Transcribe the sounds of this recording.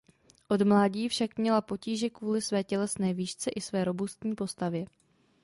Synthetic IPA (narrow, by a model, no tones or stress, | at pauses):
ʔo̞dmlaːɟiːfʃakmɲɛlapo̞ciːʒɛkvuːlɪsvɛːcɛlɛsnɛːviːʃt͡sɛʔɪsvɛːɾo̞bust̪ɲiːpo̞st̪avjɛ